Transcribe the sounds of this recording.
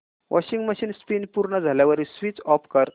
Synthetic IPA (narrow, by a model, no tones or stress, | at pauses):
ʋʔɔ̰ɕiŋɡməɕiːnspinpuɾɳəd͡zʱaljaʋəɾisʋit͡sɔpkəɾ